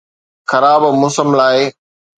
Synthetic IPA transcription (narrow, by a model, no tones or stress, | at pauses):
xɐɾaːbmʊsəmlaːɪ